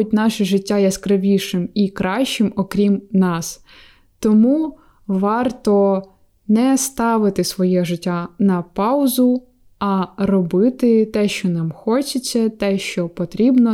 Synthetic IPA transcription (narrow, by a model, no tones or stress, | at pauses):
ʊt̚ʲnɑʃɛʒɪtʲːajɛskɾɪʋʲiʃɪmikɾɑʃt͡ʃɪmɔkɾʲimnɑs | t̪ɔmu | ʋɑrt̪ɔ | nɛst̪ɑʋɪt̪ɪsʋɔjɛʒɪtʲːanɐpɑwzʊ | ɐrɔbɪt̪ɪt̪ɛʃt͡ʃɔnɑmxɔt͡ʃɪt͡sʲːɐt̪ɛʃt͡ʃɔpɔt̪ɾʲibnɔ